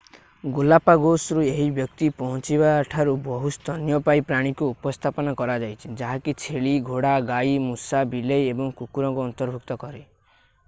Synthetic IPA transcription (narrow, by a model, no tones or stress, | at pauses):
ɡulapaɡosɾueɦibjɔk̚t̪ipɔɦɔ̃t͡ʃiβaːʈʰaɾubɔɦust̪ɔnjɔpajpɾaɽ̃ikuːpɔst̪ʰapɔnakɔɾad͡ʒajt͡ʃʰi̥d͡ʒaɦakit͡ʃʰeɭiɡʱoɽaɡaimusabilejebɔŋkukuɾɔ̃ŋkuɔnt̪ɔɾbʱukt̪ɔkɔɾe